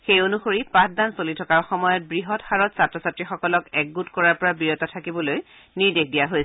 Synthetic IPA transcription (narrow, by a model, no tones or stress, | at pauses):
xejonuxoɹipãsdansolitʰɔkaɹxɔmɔjɔt̚bɹiɦɔtxaɹɔtsatɹɔsatɹixɔkɔlɔkɛɡɡutkɔɹaɹpɔɹabiɹɔtatʰakibɔloj | niɹdekʰdijaɦojs